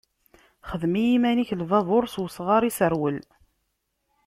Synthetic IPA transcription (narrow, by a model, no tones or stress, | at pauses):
χəðmijimæniçlvɑðˤoɾswəsʁɑɾˤisəɾwəl